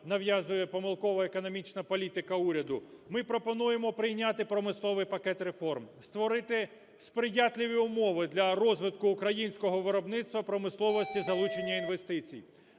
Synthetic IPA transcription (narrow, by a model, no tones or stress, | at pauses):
nɐʋjazʊjɛpɔmɪlˠkɔʋɐekɔnɔmʲit͡ʃnɐpɔlʲit̪ɪkɐuɾʲɐd̪ʊmɪpɾɔpɔnujemɔpɾɪjnʲat̪ɪpɾɔmɪslˠɔʋɪjpɐkɛt̪ɾe̞fɔrmst̪ʋɔɾɪt̪ɪ | spɾɪjat̪ʲlʲɪʋʲiʊmɔʋɪd̪lʲɐɾɔzʋɪt̪kʊːkɾɐjinʲsʲkɔɦɔʋɪɾɔbnɪt̪st̪ʋɐpɾɔmɪslˠɔʋɔsʲtʲizɐlˠut͡ʃenʲːɐinʋe̞st̪ɪt͡sʲḭj